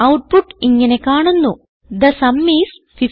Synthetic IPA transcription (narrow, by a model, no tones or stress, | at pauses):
ɐwʈ̚puʈiŋɡenekaːɳunːu | d̪ɐsɐmːiːs | pʰi